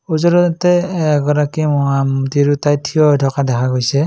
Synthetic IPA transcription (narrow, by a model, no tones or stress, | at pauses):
uzɔɾɔtɛɡɔɾakimɔamtiɾutajtʰijɔdʱɔkadɛkʰaɡojsɛ